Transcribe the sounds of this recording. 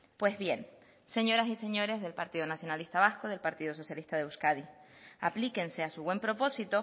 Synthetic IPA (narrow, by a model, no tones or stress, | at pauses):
pwe̞zβje̞n | seɲo̞ɾasise̞ɲo̞ɾe̞zðe̞lpaɾt̪iðonasjo̞nalist̪aβaskoð̞e̞lpaɾt̪iðos̬o̞sjalist̪aðeuskaðiaplike̞nse̞asuβwe̞mpɾo̞po̞sit̪o